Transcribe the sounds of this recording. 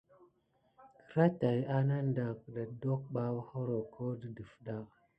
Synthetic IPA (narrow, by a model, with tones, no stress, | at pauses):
kə̥˨˦ɾa˦ta˨ja˦na˦n˦da˨kɗa˨do˦k̚ɓa˦who˦ɾo˨kʰo˦də˨də˨fɗa˦˨